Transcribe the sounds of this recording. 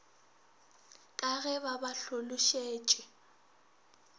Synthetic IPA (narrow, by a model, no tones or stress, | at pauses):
kʼaɣɛbabaɬolʊʃeːt͡ʃʼɛ